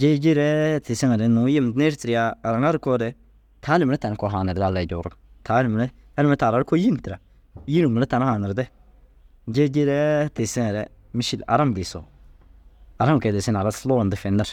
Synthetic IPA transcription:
d͡ʒe˦d͡ʒi˦ɾɛ˦tɪ˨sɪ˦ŋa˨ɾɛ˨˦nʊ˨˦jɪ˦mdnɛ˦ɾtɪ˨ɾɪ˦jaː˦˨ɾa˨ŋa˦ɾɪ˦kɔ˦dɛ˦ | tʰa˦nɪ˨m˨lɛ˦ta˨n˦kɔ˨ɦa˨nɪ˨ɾda˦˨la˨d͡ʒɔ˨ɾʊ˦tʰa˨˦nɪ˨m˨lɛ˦ | a˦ɾɪ˨m˦ɛ˦taː˨ɾa˨ɾko˦ji˦n˨tɪ˨ɾa˨˦ | ji˦nɪ˨mu˨lɛ˦ta˨n˦haː˨nɪ˨ɾdɛ˦ | d͡ʒe˦d͡ʒi˦ɾɛ˦tɪ˨sɪ˦ŋɛ˨ɾɛ˦ | mɪ˦ʃi˦la̰˨ɾa˦mbɪ˨sɔ̰˨ | a˨ɾa˦ŋkɛ˨dɛ˨sɪ˦n˨a˨ɾa˦slɔː˦˨ndɪ˨˦fɪ˨nːɪ˦ɾ

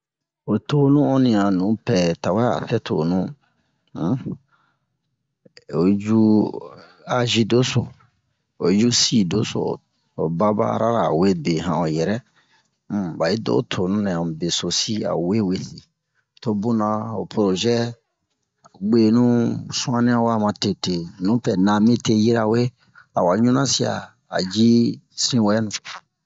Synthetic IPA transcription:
o˨to˨nũ˦ɔ̃˦nĩ˨ã˨nũ˨˦pɛ˨ta˨wɛ˦a̰˨fɛ˦tʰo̰˨nũ˦ | o˨d͡ʒu˦ | a˨ʒi˦do˦so̰˨ | o˨d͡ʒu˦si˦do˦so̰˨ | o˨ba˦ba̰˦˨ɾa̰˦ɾa˨we˦be˨ɦã˨o˨jɛ˨ɾɛ̃˦˨ | ba˨ji˦do̰˦tʰo˨nũ˦nɛ̃˨ã˨be˨so˨si˦a̰˨we˦we˦si˨ | to˦bu˦nã˨o˨pɾo˨ʒɛ˦ | a˨ɡ͡be˨nũ˦sũ˦ã˦nĩ˦ã˦wa˦˨mã˨te˨te˨nũ˨˦pɛ˨nã˨mĩ˦te˦ji˦ɾa˨we˦ | a̰˨wa˨ɲũ˦nã˦si˦a̰˨ | a̰˨d͡ʒi˦sĩ˦wɛ˨ɛ˦nũ˨

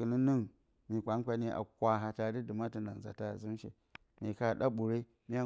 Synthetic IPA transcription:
ɨ˨ni˦ni˦ŋ | mi˨ka˨˦ŋ˦kʷa˦ni˦ʔa̰˨kʷa˨ɦa˨ta˨di˦di˨ma˦ti˨na˨n˨za̰˨ta˦˨zi˦m˦ʃḛ˨ | mi˨ka˦˨ɗa˦ɓu˨ɾe˦ | mi˦a˦˨

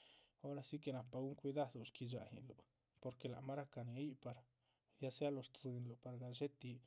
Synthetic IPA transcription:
o˦ɾa˧si˦ke˨na˨pa˨ɡu˦ŋkʷi˧d̪a˦d̪o˨ʃki˧d͡ʒa̰˨hḭ˨lo˨ | po˧ɾke˨la̰˨ʔma˦ɾa˦ka˨ne˨˧˦i˦pa˧ɾ | ja˧˦sja˦lo˧ɾt͡sɨ˧nlo˨pa˨ɾɡa˨ʃe˦t̪i˧

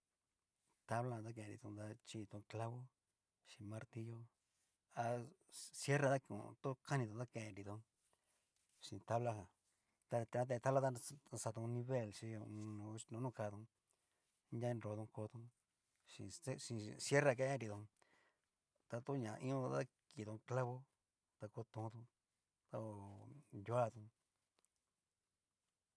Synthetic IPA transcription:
t̪a˦βlã˦˧t̪a˦˧kẽ˧˨ɾḭ˧t̪ũ˧d̪a˧t͡ʃi˧t̪ũ˧kla˦βo˦ | ʃĩ˧mã˧ɾt̪i˧jo˦ | a˧sje˦ɾa˧d̪a˦˧kṵ̃˧˨˧t̪u˦ka˦nĩ˧t̪ũ˨˧a˦˧kẽ˨ẽ˧ɾi˧t̪o˧ | ʃĩ˧˨t̪a˦βla˦hã˨ | t̪a˧ã˧t̪e˧t̪a˦la˦˧t̪a˦˧sa˧t̪ũ˧nĩ˧βe˦˨lʃi˧õ˧nũ˨˧nũ˧˦nũ˦˧ka˧t̪ũ˧ | ndʲa˦˧ɾo˧t̪ũ˧ko˧˦˧t̪ũ˧ | ʂḭ̃˧˦ʃĩ˧sje˦ra˧kẽ˦ẽ˦ɾi˧t̪õ˧ | t̪a˧t̪u˦ɲã˨˧ʔĩ˦õ˦˧a˦ | ki˨t̪o˧kla˦βo˦ | t̪a˧ko˧˦t̪ũ˧t̪ũ˧ | t̪a˧o˧˨ju˧˦a˧˨t̪ũ˧

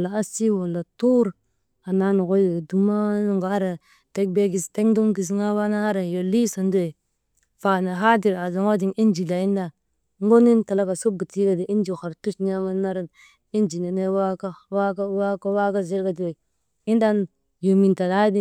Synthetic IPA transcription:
la˨a˦si˦wo˨la˨tu˦ɾ | a˨na˦no˨ko˦jdu˨ma˦nu˦ŋɡa˨a˦ɾa˨ | te˦k̚be˦ɡi˨ste˦ŋdu˦mki˨s̬i˦ŋa˦wa˦na˦ha˦ɾa˨jo˨li˦so˨ndo˦e˨ | fa˨na˨ɦa˦di˨ɾa˨za˨ŋo˦di˨ŋi˦nd͡ʒi˨la˨i˦n˦da˨ | ŋ˦ɡo˦ni˦nta˨la˦ka˨so˦bu˨ti˦ɡa˨di˨i˦nd͡ʒi˨xa˨ɾtu˦t͡ʃɲa˦ma˦na˦ɾa˦n | i˦nd͡ʒi˨ne˨ne˦wa˦ka˦wa˦ka˦wa˦ka˦wa˦ka˦zi˦ɾka˨di˨we˨ | i˦nda˦n | jo˨mi˨nta˨da˦di˦

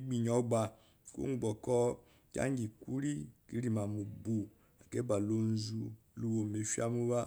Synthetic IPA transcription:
ɡ͡bi˨ɲ˨ɔ˨˦ɡ͡ba˨ | o̰˦u˨ɡ͡bɔ˨kɔ˦ | ka̰˦ŋ˦ɡi˨ku˦ɾi˦ki˦ɾi˨ma˨mu˨bu˨ | a˨ke˦ba˨lo˦n˦zu˦lu˦wo˨me˨ʃi˦a˦mu˦βa˦

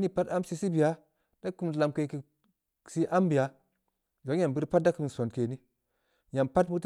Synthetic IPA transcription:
ni˦pa˦ta˦msi˦si˦bi˨a˦ | d̥a˦ku˦m˨la˨mke˨ki˨ | si˦ʔa˦mbi˨ja˨˦ | d͡ʒo˨˦ja˨bi˦ɾpa˦t̚da˦ku˦mi˨n˨so˨nke˨ni˦ | ja˨mpa˦tmu˦t

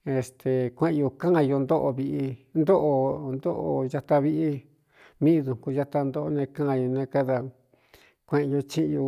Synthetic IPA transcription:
e˧st̪e˨kʷẽ˦˧ʔju˧kã˦˧jo˧nd̪o˦ʔo˧βi˧ʔi˧nd̪o˦ʔo˧nd̪o˦ʔo˧ja˧t̪a˧βi˧ʔi˧ | mĩ˦˧ðu˨ku˧ja˧t̪a˧nd̪o˦ʔo˧nẽ˧kã˦˧jo˧nẽ˧ka˦ða˧ | kʷẽ˧ʔjo˧t͡ʃĩ˦˧ju˧

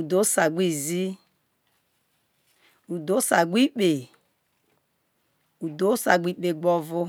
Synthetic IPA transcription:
u˨do˨˦sa˨ɡ͡bi˦˨zi˦ | u˨do˨˦sa˨ɡ͡bi˦k͡pe˨ | u˨do˦sa˨ɡ͡bʷi˦k͡pe˨ɡ͡bɔ˦vʊ˦

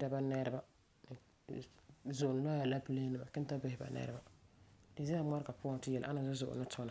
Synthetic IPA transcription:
da˨ba˦nɛ˦ɾɪ˦ba˦˨ | zʊ˨n˨la˦ja˨la˦pɨ˦le˦nɨ˦˨ma̰˨kɪ˦n˦ta˦bɪ˦hɪ˨ba̰˨nɛ̰˦ɾɪ˦ba˦dɪ˨zɛ˦a˦ma˦ɾka˨pu˦ɔ˦n˦tɪ˦jɛ˨l̰ʔa˦na˨zʊ˦zʊ̰˨ʔʊ̰˨nɨ˦tʰɔ˦na˨

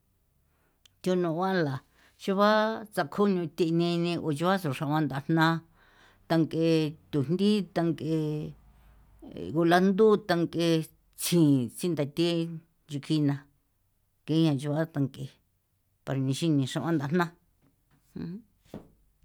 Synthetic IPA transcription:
t̪ʲo˧nũ˧˨˧wã˦˧la˨ | t͡ʃu˧βa˦t͡sa˧kʰo˦ɲũ˧t̪ʲi˧nĩ˧nĩ˧ʔo˨t͡ʃu˧βa˦so˨ʂã˧ʔã˧nd̪a˧n̥nã˦ | t̪a˧ŋke˧t̪u˨n˦d̪i˦t̪a˧ŋke˧ | ɣu˧la˦˧nd̪u˦t̪a˧ŋke˧ | t͡sʰĩː˨t͡si˦nd̪a˨t̪i˦ | nd͡ʒu˧kʰi˧nã˧ | ke˧˦ɲã˧˨t͡ʃu˧βa˦t̪a˧ŋke˧ | pa˧ɾa˧nĩ˧ʃi˦nĩ˧ʂã˧ʔã˦nd̪a˧n̥nã˦ | hũ˦

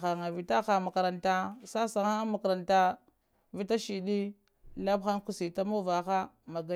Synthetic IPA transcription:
a˨ŋa˨vi˨ta˦xa˨ma˨ka˨ɾa˨nta˦sa˦sa˨ŋa˦ma˨ka˨ɾa˨nta˦ | vi˦ta˦ʃi˨ɗi˦ | la˦bxa˦ŋku˨si˨ta˦ma˦va˨xa˦ma˨ɡa˦

